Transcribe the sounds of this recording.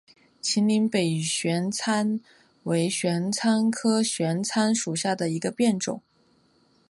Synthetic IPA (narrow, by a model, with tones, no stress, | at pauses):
t͡ɕʰi˧˥nli˧˥ŋpe˨˩ɪɕɥɛ˧˥nt͡sʰa˥n | we˧˥ɪɕɥɛ˧˥nt͡sʰa˥nkʰɤ˥ɕɥɛ˧˥nt͡sʰa˥nʂu˨˩ɕja˥˩d̪ə˩i˧˥ɡə˧pjɛ˥˩nʈ͡ʂʊ̰˨˩˦ŋ